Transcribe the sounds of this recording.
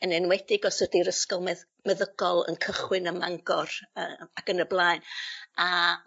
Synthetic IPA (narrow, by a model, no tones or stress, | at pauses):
ənɛnwɛdɪɡɔsədiɾəskɔlˠmɛ | mɛðəɡ̥ɔlˠə̰nkʰəχwɪnəmaŋɡɔrəaɡənəblˠaːjna